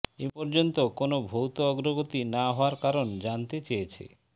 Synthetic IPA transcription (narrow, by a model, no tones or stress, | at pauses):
epɔɾd͡ʑont̪okonobʱowt̪oɔɡɾoɡot̪inaɦɔaɾkaɾond͡ʑant̪et͡ɕejet͡ɕʰḛ